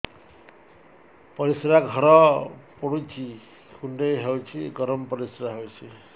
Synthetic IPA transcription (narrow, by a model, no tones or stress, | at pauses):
pʌɾisɾaɡʱʌɾʌpʌɽut͡sʰi | kʰuɳɖʌjɦʌwt͡sʰiɡʌɾʌmpʌɾisɾaɦʌwt͡sʰi